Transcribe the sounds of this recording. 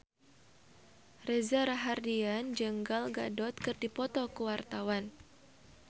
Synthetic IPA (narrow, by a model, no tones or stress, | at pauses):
rɛzaɾaɦardiand͡ʒəŋɡalɡa̰dɔt̪̚kɨrdipɔt̪ɔkəwart̪awan